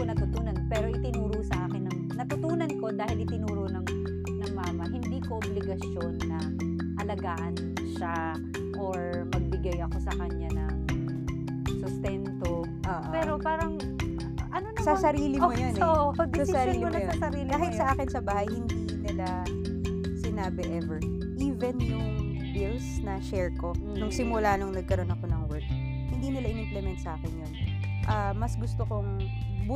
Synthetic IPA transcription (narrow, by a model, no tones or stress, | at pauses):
onɐt̪ʊt̪uːnɐnpɛːɾoʔɪt̪ɪnuːɾʊsɐʔaːkɪnɐŋ | nɐt̪ʊt̪uːnɐnko̞d̪aːhɪlɪt̪ɪnuːɾonɐŋ | nɐŋmaːmɐhɪnd̪iːkoʔoblɪɡɐsjonːɐ | ʔɐlɐɡaːʔɐn | ʃa | ʔoɹ | mɐɡ̚bɪɡajɐko̞sɐkɐɲanɐŋ | sʊst̪ɛnt̪o | ʔoːʔopɛːɾopaːɾɐŋ | ʔɐnonsɐsɐɾiːlɪmojonood̪sɐsɐɾiːllɪonmɐjɐsɐɾiːlbaːhɪt̪sɐʔaːkɪnsɐbaːhɐjhɪnd̪inɪla | sɪnaːbɛʔɛvɛɹ | ʔiːvɛnjʊŋ | bɪlsnɐʃɛɹko̞nʊŋsɪmʊlaːnoŋnɐɡ̚kɐɾo̞nɐko̞nɐŋwɛɹk̚ | hɪnd̪iːnɪlaʔɪnɪmplɛmɛnt̪sɐʔaːkɪnjon | ʔɐmɐsɡʊst̪okoŋb